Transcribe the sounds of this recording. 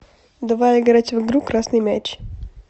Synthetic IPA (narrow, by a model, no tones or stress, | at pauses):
d̪ɐvalʲɡɐɾatʲvɨɡɾukɾasnɨjmʲat͡ʃ